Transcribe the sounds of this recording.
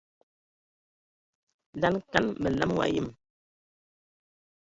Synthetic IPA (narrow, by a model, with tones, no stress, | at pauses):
da˦nka˦nmə˨la˦m˦wa̰˨jḭ˦˨m